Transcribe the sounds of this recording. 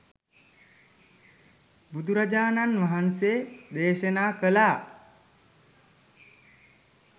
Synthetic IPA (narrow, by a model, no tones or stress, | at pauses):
bud̪uɾad͡ʒaːnanʋaɦansed̪eːʃənaːkəlaː